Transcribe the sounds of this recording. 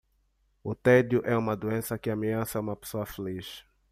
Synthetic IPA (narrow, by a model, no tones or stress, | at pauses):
ʊt̪ɛd̪jʊʔɛũmɐd̪uẽsɐkɪameɐ̃sɐũmɐpe̥soɐfeliʃ